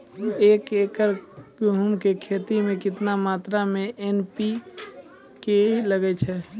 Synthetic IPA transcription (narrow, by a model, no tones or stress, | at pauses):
eːkeːkəɾuɦumkekʰet̪imẽkɪt̪namaːt̪ɾamẽʔenpi | keləɡɛt͡ʃʰɛ